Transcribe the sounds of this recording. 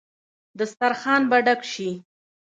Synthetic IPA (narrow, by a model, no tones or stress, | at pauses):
d̪əst̪aɾxɑnbaɖakʃi